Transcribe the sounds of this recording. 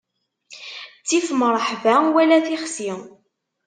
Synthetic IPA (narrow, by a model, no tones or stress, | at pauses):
t͡sːifməɾˤəħvæwælæθiχsi